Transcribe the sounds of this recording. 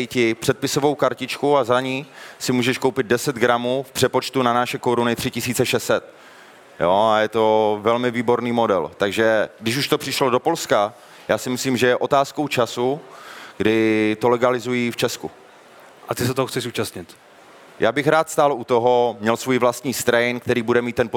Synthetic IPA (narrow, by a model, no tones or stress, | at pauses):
cɪpr̝̥ɛt̪̚pɪsovowkaɾcɪt͡ʃkuazaɲiːsɪmuːʒɛʃkowpɪd̪̚dɛsɛd̪ɡɾamuːfpr̥ɛpo̞t͡ʃt̪unanaʃɛkoɾunɪt̪r̝̥ɪcɪsiːt͡sɛʃɛsɛt̪̚ | joːajɛt̪o̞vɛlmɪviːbo̞ɾniːmo̞dɛ̰lt̪aɡʒɛɡdɪʃuʃt̪o̞pr̥ɪʃlo̞do̞po̞lska | jaːsɪmɪsliːmʒɛjɛʔo̞t̪aːskowt͡ʃasuɡ̥dɪt̪olɛɡalɪzujift͡ʃɛsku | ʔat̪ɪsɛt̪oɦoxtt͡sɛʃuːt͡ʃast̪ɲɪt̪ | ja̰ːbɪxɾaːt̪st̪aːlut̪o̞ɦo̞mɲɛlsvojivlast̪ɲiːst̪ɾɛjnk̚t̪ɛɾiːbudɛmiːt̪ːɛnpo